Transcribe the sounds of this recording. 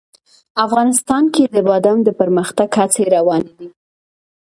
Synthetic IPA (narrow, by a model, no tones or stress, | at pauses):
afɣɑnɪst̪ɑnked̪əbɑd̪amd̪əpəɾməxt̪aɡhat͡seɾawɑned̪i